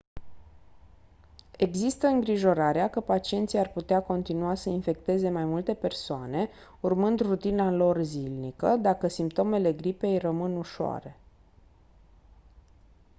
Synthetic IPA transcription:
e̞ɡzist̪əɨŋɡɾiʒo̞ɾaɾeakəpat͡ʃie̞nt̪sijarput̪eako̞nt̪inuasəinfe̞kt̪e̞ze̞majmult̪e̞pe̞rsoane̞ | urmɨnd̪rut̪inalo̞rzilnikəd̪akəsimp̚t̪o̞mele̞ɡɾipe̞jrəmɨnuʃoa̰ɾe̞

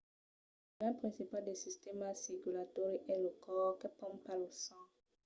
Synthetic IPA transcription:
lɛ̃pχɛ̃sipald̪esist̪ɛmasiɡylatɔɾiʔɛləkɔʁkɛpɔ̃mpalosɑ̃

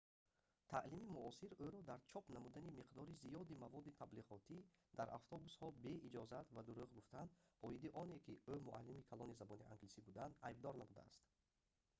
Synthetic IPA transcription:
t̪ʰaʔlimimuɔsiɾøɾɔd̪aɾt͡ʃʰɔpnamud̪animiqd̪ɔɾizijɔd̪imavɔd̪it̪ʰabliʁɔt̪ʰid̪aɾʔa̰ft̪ʰɔbushɔbe̞id͡ʒɔzat̪vad̪uɾuʁɡuft̪and̪ɔid̪iʔɔnekʲiømuʔa̰lːimikʰalɔnizabɔniʔa̰ŋɡlisibud̪and̪ajb̚d̪ɔɾnamud̪a̰a̰st̪

